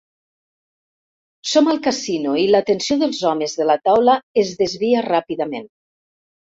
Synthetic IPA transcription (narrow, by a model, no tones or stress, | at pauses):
somalˠkasinuilat̪ensjoðəlˠzɔmezðəlat̪awlaezðezβiarapiðamen